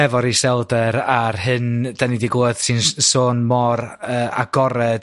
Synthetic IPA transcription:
ɛvɔɾisɛlˠdəɾarɦɨnd̥anidiɡoːəð̥sɨnsoːnmɔrəːa̰ɡɔɾɛd̥

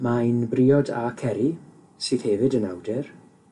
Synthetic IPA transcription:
majnbriːɔdakʰɛɾi | siːð̥hɛvɨdənawdɛr

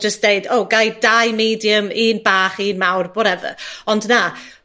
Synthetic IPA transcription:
d͡ʒəstd̥eɨdowɡajdajmiːdjəmiːnbaːχiːnmawrbɔɾɛvə̰ɔndna

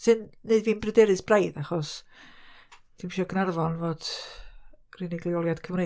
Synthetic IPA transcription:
sɨnːeɨdviːnbrədɛɾɨsbrajðaχɔs | d̥ʰimʃɔɔkʰnarvɔnvoːd̥ | rinɪɡlˠiɔlˠjad̥kʰəvne

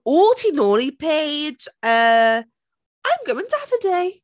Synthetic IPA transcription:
ɔːltʰinɔːlipʰeɪd͡ʒə | ʔãɪ̃mɡəʊɪ̃ŋtʰəafədeɪ

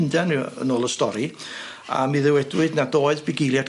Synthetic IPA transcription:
ndɛnɨə̰noːlˠəstɔɾi | a̰miðɛwɛdwɨdnadoːɨðbɪɡejlˠjad

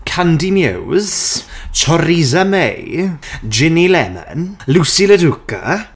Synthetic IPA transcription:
kʰandimjɪ̰wz̥tʰɔɾizamḛj | d͡ʒɪnilɛmə̰nlusiləduka̰

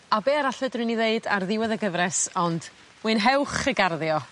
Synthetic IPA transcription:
abeːaɾaɬvɨdrwɨniðeɨda̰rðɪwɛðəɡəvɾɛsɔnd̥ | wɨnɦɛwχəɡarðjɔ

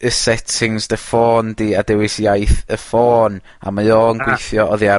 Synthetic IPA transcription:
əsɛtʰɪŋzdəfoːndiːadɛwɪsjajθəfoːn | a̰majoːnɡwɪjθjɔʔɔðia

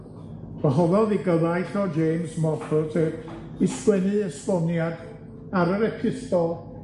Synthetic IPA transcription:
v̥əɦɔðɔðiɡəðajɬɔd͡ʒeːmzmɔfʰɔtʰə | ɪskwɛnɨəspɔnjad | aɾəɾɛpʰɨθtɔlˠ

